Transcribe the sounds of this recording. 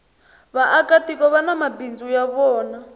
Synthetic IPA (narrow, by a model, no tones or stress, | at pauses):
βaʔakatikɔβanamabind͡zujaβɔːna